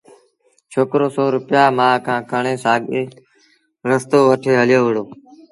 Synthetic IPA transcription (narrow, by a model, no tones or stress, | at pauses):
t͡ʃʰoːkɾoːsɔːɾʊpɪjaːmãːkʰãːkəɳeːsaːɠeː | ɾəst̪oːʋəʈʰeːɦəljoːʋɪɽoː